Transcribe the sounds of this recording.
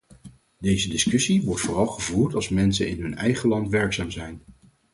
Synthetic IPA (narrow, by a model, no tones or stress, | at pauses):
dejzədɪskɵsiʋɔɹtfʊːrɑlˠχəvuːɹtɑlˠsmɛnsənɪ̰nɦɵnɛjχəlɑntʋɛɹksaːmzɛjn